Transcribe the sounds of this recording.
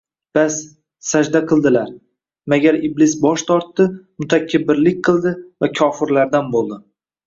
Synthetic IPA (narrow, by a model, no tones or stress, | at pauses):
b̥as | sad͡ʒd̪aqʰɨlˠd̪ɪlaɾ | maɡʲaɾɪblɪs̬bɒʃt̪ʰɒɾt̪ːɪmʊt̪ʰakʲʰːabɪɾlɪk̚ʲqʰɨlˠd̪ɪvakʲʰɒfɪɾlaɾd̪anbolˠd̪ɪ